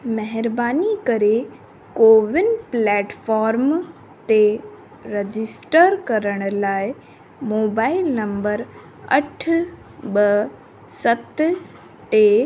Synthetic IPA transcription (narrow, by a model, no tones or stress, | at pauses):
mɛɦɪɾbaːnikɐɾe | koːʋɪnplɛːʈfɔːɾm | t̪e | ɾed͡ʑɪsʈəɾkɐɾəɽ̃laːɪ | moːbaːɪlnɐ̃mbəɾ | ɐʈʰ | ɓɐ | sɐt̪ | ʈe